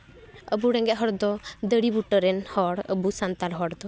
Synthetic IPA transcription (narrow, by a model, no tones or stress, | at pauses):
ə̰buɽɛŋɡɛʔɦɔɽd̪ɔd̪əɽibuʈəɾɛnhɔɽə̰busant̪aɾɦɔɽd̪ɔ